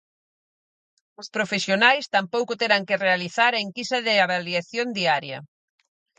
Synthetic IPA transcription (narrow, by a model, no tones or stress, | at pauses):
ʊspɾofesjonajst̪ampowkʊt̪eɾaŋkɪrealiθaɾɐiŋkisɐðɪaβaliaθjond̪iaɾjɐ̰